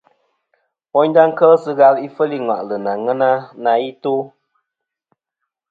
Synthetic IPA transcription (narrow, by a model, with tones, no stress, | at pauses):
wɔ˦ɲda˦ŋ̩˦kə˦sɨ˧ɣa˧li˦fə˦li˦ŋwa̰˨ʔlɨ˨na˨ŋə˦na˦na˨i˦to˦